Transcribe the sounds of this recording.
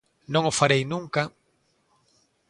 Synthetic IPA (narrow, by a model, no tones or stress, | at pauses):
nõŋofaɾejnũŋka